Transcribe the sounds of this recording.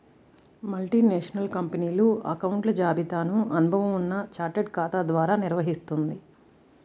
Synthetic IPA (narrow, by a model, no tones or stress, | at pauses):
mɐlʈiːneːʂɐnɐlkɐmpɐniːluɐ̰kɐwuɳʈlɐd͡ʒaːbʱit̪aːnuɐnubʱɐʋɐmunːɐt͡ʃaːɾʈeɖkaːt̪aːd̪ʋaːɾaːniɾʋɐɦist̪und̪i